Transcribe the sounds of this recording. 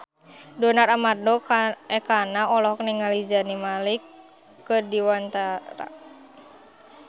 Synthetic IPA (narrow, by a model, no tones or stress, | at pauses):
dɔnaɾamardɔkɛkanaɔlɔhkniŋalid͡ʒanimalikː | ɨrdiwant̪aɾa̰